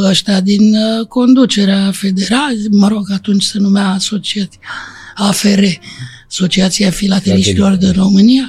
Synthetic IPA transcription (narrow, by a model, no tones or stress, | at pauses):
əʃt̪ad̪inko̞nd̪ut͡ʃe̞ɾeafe̞d̪e̞ɾalʲməɾo̞ɡat̪unt͡ʃʲsenumeaːso̞t͡ʃiat̪siaafeɾeaso̞t͡ʃiat̪siafilat̪e̞liʃt̪ilo̞rd̪inro̞mɨnia